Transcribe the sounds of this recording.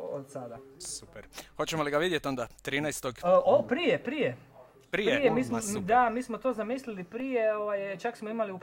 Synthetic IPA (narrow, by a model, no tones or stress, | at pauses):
od̪̥sad̪asupeɾxo̞t͡ɕemoliɡaʋid̪jet̪o̞nd̪at̪ɾiːnajst̪oɡopɾijepɾije | pɾieijemiːsmd̪amiːsmot̪oːzamislilipɾijeoʋajt͡ʃaksmoimaliup